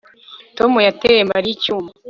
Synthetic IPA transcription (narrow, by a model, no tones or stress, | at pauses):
tomujateɾembaɾicuːma